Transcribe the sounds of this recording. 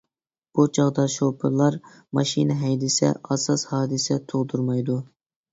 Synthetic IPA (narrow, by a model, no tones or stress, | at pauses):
b̥ut͡ʃʰɑʁd̪ɑʃopʰɨlˠɑɾ | mɑʃinɦɛjd̪ɪsɛ̰ʔɑsɑshɑːd̪ɨsɛt̪ʰoʁd̪uɾmɑjd̪u